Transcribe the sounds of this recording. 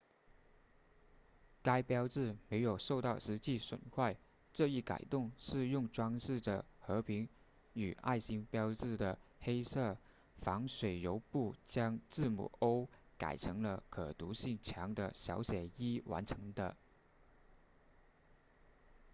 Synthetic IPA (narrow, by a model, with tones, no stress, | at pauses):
ka˥ɪpjɑ˥ʊt͡sɹ̩˥˩me˧˥ɪjo˨˩ʊʂo˥˧ʊt̪ɑ˥˩ʊʂɻ̩˧˥t͡ɕi˥˩ʂwə̰˨˩nkʰwa˥˧ɪ | ʈ͡ʂɤ˥˧i˥˩ka̰˨˩ɪt̪ʊ˥˧ŋʂɻ̩˥˧jʊ˥˩ŋʈ͡ʂwɑ˥ŋʂɻ̩˥˩də˩xɤ˧˥pʰi˧˥ŋ | y˨˩ʔa̰˥˩ɪɕi˥ŋpjɑ˥ʊt͡sɹ̩˥˩d̪ə˩xe˥ɪsɤ˥˩ | fɑ˧˥ŋʂwe˨˩ɪjo˧˥ʊpu˥˩t͡ɕjɑ˥ŋt͡sɹ̩˥˩mṵ˨˩o˥ʊka̰˨˩ɪʈ͡ʂʰɤ˧˥ŋlə˧kʰɤ˨˩t̪u˧˥ɕi˥˩ŋt͡ɕʰjɑ˧˥ŋd̪ə̰˧ɕjɑ˧˥ʊɕjɛ˨˩i˥wa̰˧˥nʈ͡ʂʰɤ˧˥ŋd̪ə̰˧